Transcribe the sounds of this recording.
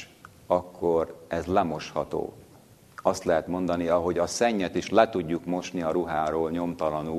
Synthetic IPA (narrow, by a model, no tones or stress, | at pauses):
ɒkːo̞rɛzlɛmo̞ʃhɒt̪o̰ː | ɒst̪lɛɦɛt̪mo̞nd̪ɒniɒɦo̞ɟɒsɛɲːɛt̪iʃlɛt̪uɟːukmo̞ʃniɒɾuɦaːɾoːlɲo̞mt̪ɒlɒnuː